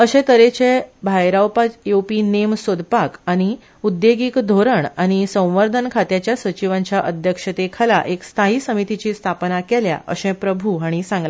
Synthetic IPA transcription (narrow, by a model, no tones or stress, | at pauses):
əɕẽt̪əɾet͡ɕẽbʱajɾawpajopinemsod̪pakaɽ̃i | ud̪jeɡiːkd̪ʱoɾəɳaɽ̃isə̃w̃ʋəɾd̪ʱənkʰat̪jat͡ɕjasʋət͡ɕiʋãɲt͡ɕjaʔəd̪ʱjəkʂət̪ekʰəla̰ʔekst̪ʰaɦiːsəmit̪it͡ɕiːst̪ʰapnakɛlja̰ʔə̰ɕɛ̃pɾəbʱuaɽ̃isãŋɡle